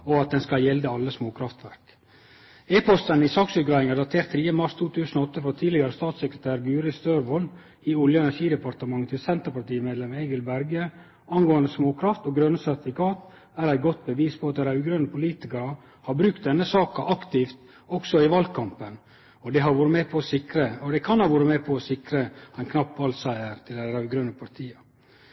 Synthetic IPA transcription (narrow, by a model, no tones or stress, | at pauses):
ɔɑt̪̚d̪ɛnskɑljɛld̪əɑlːəsmoːkʰɾɑft̪ʋæɾk | eːpʰɔst̪ənɪsɑːksʉːt̪̚ɡɾɑːʋɪŋæɖɑt̪ʰeːɾt̪ʰːɾiːəmɑɾst̪ʰuːt̪ʰʉːsənɔɔt̪ːəfɾɔt̪ʰiːd̪lɪɡɑɾəst̪ɑːt̪sɛkɾət̪ʰæːɾɡʉːɾɪst̪øːɾʋɔl | ɪɔljəɛnæʂiːd̪ɛpɑɾt̪əmɑŋːt̪ʰɪlsɛnt̪əpɑʈiːmeːd̪lɛmeɪɡəlbæɾɡə | ɑnɡoːɑnd̪əsmoːkʰɾɑft̪oːɡɾœnəsæɾt̪ɪfɪkɑːt̪ | æɾæɪɡɔt̪̚bəʋiːspʰɔɑt̪d̪ɛɾæʉɡɾœnəpʰʊliːt̪ɪkɑɾə | hɑɾbɾʉk̚t̪̚d̪ɛnːəsɑːkɑʔɑkt̪iːft̪ | ɔksɔɪʋɑl̚kʰɑmpən | ɔd̪ɛɦɑɾʋuːɾəmepʰɔɔsɪkɾəɔd̪ɛkʰɑnhɑːʋuːɾəmɛːpʰɔɔsɪkɾəæɪnkʰnɑpːʋɑlsæɪəɾt̪ʰɪld̪æɾæʉɡɾœnəpʰɑɾʈ̪ʰiːɑ